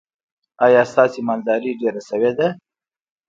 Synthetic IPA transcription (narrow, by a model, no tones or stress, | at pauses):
ɑjɑst̪ɑsemɑnd̪ɑɾiɖeɾasəwed̪a